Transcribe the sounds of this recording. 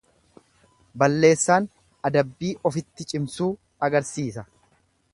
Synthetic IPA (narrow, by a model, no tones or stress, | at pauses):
bɐlːe̞ːsːaːn | ɐd̪ɐbːiːʔɔfɪt̪ːɪt͡ʃʼɪmsuː | ɐɡɐɾsiːsɐ